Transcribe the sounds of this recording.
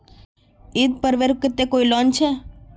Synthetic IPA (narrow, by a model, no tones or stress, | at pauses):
id̪̚pəɾʋeɾkːɪt̪ːekoilɔnt͡ʃʰe